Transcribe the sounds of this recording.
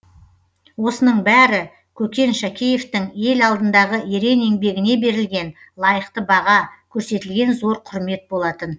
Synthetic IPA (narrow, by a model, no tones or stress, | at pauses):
wo̞sənəɴbæɾɪ | kʲʰɵkʲe̞nʃækʲeje̞ft̪ɪŋje̞lɑlˠd̪ənd̪ɑʁəeɾe̞ne̞ŋbe̞ɡʲɪne̞be̞ɾɪlɡʲe̞n | lˠɑjəqt̪əbɑʁɑkʲʰɵɾse̞t̪ɪlɡʲe̞nzo̞ɾqʰʊɾme̞t̪̚bolˠɑt̪ən